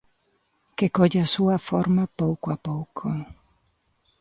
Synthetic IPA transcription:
kekɔʎasuafɔɾmapɔwkoapɔwkʰo

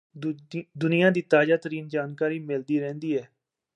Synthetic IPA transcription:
d̪ʊnɪjãːd̪iːt̪aːzaːt̪əɾiːnd͡ʒaːnkaːɾiːmɪld̪iːɾɛ̃ːnd̪iːɛː

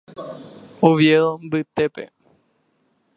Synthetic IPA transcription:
oʋjembɨt̪epḛ

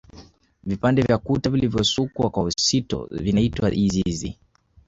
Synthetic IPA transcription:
vipandɛvjakutavilivjɔsukwakwausitɔ̰vinaitwaʔizizḭ

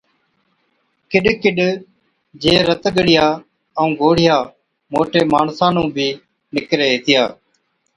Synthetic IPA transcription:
kɪɗkɪɗ | d͡ʒeːɾət̪ɠəɽɪjaː | əũːɡoːɽɪjaː | moːʈeːmaːɳsãːnũːbʱiː | nɪkɾeːeːt̪ɪjaː

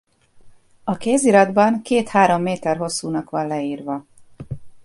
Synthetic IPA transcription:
ɒkeːziɾɒd̪bɒŋkeːt̪haːɾo̞mːeːt̪ɛrɦo̞sːuːnɒkʋɒnlɛiːrʋɒ

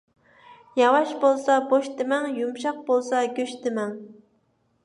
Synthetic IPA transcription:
jɑwɑʃbolˠsɑboʃt̪ɪmɛŋjumʃɑq̚bolˠsɑɡʲøʃt̪ɪmɛŋ

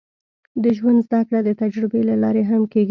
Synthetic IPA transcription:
d̪əʒwand̪zd̪akɽad̪ət̪ad͡ʒɾɪbelalɑɾeɦamkeɡ

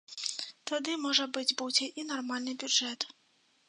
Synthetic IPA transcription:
t̪ad̪ɨmɔʐɐbɨd͡zʲbuwd͡zʲɛʔinarmalʲnɨbʲud͡ʐɛt̪

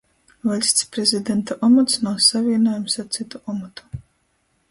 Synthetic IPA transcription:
valʲsʲt̪spɾezʲid̪ɛnt̪aʔɔmɔt̪snawsavʲiɛnajumsaɾt̪sit̪uʔɔmɔt̪u̥

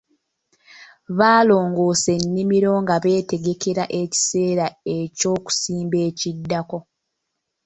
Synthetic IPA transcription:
βaːlo̞ːŋɡo̞ːse̞nːimiɾo̞ŋɡaβe̞ːte̞ɡe̞ke̞ɾaʔe̞ci̥se̞ːɾae̞co̞ːku̥siːmbe̞ːcidːako̞

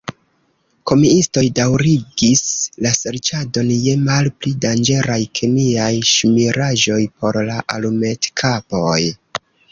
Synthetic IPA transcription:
ko̞miisto̞jdawɾiɡislase̞ɾt͡ʃado̞nje̞malplidand͡ʒe̞ɾajkʰemiajʃmiɾaʒo̞jpo̞ɾlaʔalume̞tkʰapo̞j

